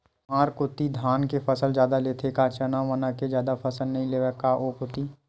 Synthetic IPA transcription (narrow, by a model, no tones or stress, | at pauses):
maːɾkʊt̪id̪ʱaːnkepəsəld͡ʒjaːd̪aleːt̪ʰekat͡ʃənaʋənaked͡ʒjaːd̪apʰɐsəlnɐɦĩleːʋəkːaʔoːkʊt̪iː